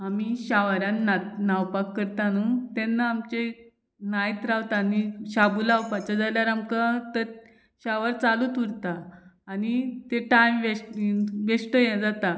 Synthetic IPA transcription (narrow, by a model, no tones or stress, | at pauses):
amiɕaʋaɾãnanawpakːəɾt̪anut̪ɛnːaːmt͡ɕe | najt̪ɾaʋt̪aniɕabulawpat͡ɕad͡zaljaɾamkat̪əɾ | ɕaʋaɾt͡salut̪uɾt̪aːnit̪eʈajmʋeʈʋeʂʈəjɛd͡zat̪a